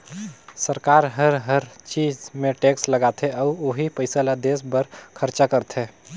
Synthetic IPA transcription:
səɾkaɾɦəɾɦəɾt͡ʃid͡ʒmeʈeksləɡat̪ʰeɔʊoːɦipəɪsalad̪esbəɾkʰəɾt͡ʃakəɾt̪ʰe

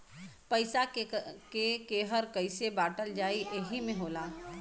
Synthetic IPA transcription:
pɐɪsakekeːɦəɾkəɪsebaːʈəld͡ʒaːiʔeɦimẽɦoːlaː

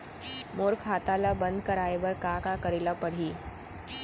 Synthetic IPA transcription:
moɾkʰɦat̪alabənd̪ʱkəɾaeʋəɾkakakəɾilapəɽ̤iː

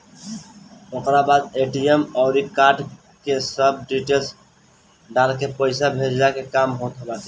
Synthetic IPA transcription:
ʊkɾabaːd̪eːʈijəmɔːɾikaːɾʈ | kesəb̚ɖiːʈeːls | ɖaːlkepəɪsabʱeːd͡ʒd͡ʒakekaːmɦoːt̪ɦobaːt̪i

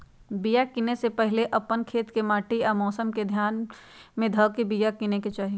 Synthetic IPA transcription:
bijakinesepɛɦleʔɐpənkʰeːt̪kemaːʈiɔːmɔːsəmked̪ʱjaːn | mẽd̪ʱɐʋkibijakineket͡ʃaːɦi

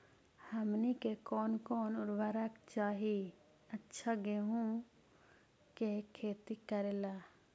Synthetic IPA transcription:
həmnikekɔːnkɔːnʊɾbaɾakt͡ʃaːɦi | ətːʃʰaɡeɦũ | kekʰːeːt̪ikəɾeːlaː

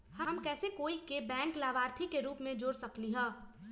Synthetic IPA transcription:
həmkɛːsekoːikebɛ̃ːŋklaːbaːɾt̪ʰikeɾuːpmẽd͡ʒoːɾsəkliɦɛ̃ː

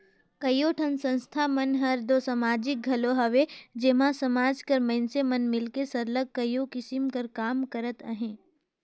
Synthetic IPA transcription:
kɐjoːʈʰənsə̃nst̪ʰamɐnɦɐɾd̪oːsɐmaːd͡ʒɪk̚ɡʱɐloɦɐʋed͡ʒɪmãsɐmaːd͡ʒkɐɾmɐ̃nsemɐnmɪlkesɐɾləɡ̚kɐjokɪsɪmkɐɾkaːmkəɾət̪ə̰ɦẽː

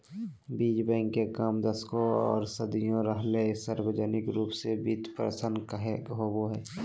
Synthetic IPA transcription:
biːd͡ʒbɛ̃ːŋkːekaːmd̪əskoɔ̰ːɾsəd̪ijõɾəɦlesəɾbəd͡ʒənɪkɾuːpsebit̪pɾə̰sənkɦeɦoboɦɛː

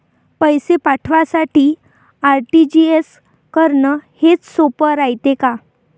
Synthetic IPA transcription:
pəjsepaʈʰʋasaʈiː | aɾʈid͡ʑies | kəɾɳəhet͡ssopəɾajt̪eka

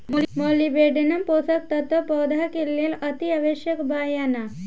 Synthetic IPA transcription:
mɔlibeɖenɐmposɐk̚t̪ɐt̪ɔpɔd̪ʱakelːelɐt̪iaʋeɕjɐkbajana

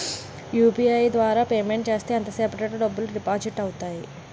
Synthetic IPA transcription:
juːbiɐjd̪ʋaːɾaːpeːmeɳʈt͡ʃe̞ːst̪eːɐnt̪ɐseːpɐʈɐʈːɐɖɐbːulɾipaːd͡ʒiʈɐwut̪aːji

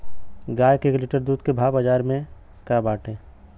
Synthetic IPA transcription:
ɡaːjkeːkliʈəɾd̪uːd̪kebʱaːʋbəd͡ʒaːɾmẽ | kabaːʈʰẽː

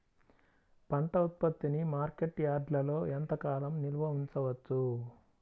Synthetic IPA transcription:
pɐnt̪ɐut̪̚pɐt̪ːinimaːɾke̞ʈːjaːɾɖlɐlo̞ːent̪ɐkaːlɐmniɾbʱɐɦint͡ʃɐʋɐt͡ʃːu

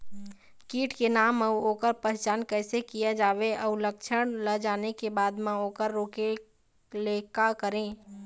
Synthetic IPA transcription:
kiːʈkenaːməuoːkəɾpəɾt͡ʃaːnkəɪsekijad͡ʒaːʋeʔəʊləkt͡ʃʰəɽ̃ləd͡ʒaːnekebaːd̪mãoːkəɾːoːke | leːkakəɾẽː

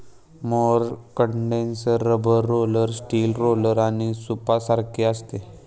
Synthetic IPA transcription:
moɾkəɳɖẽnsəɾːəbəɾːoləɾsʈiːlɾoləɾaɽ̃isupasaɾkʰeəst̪e

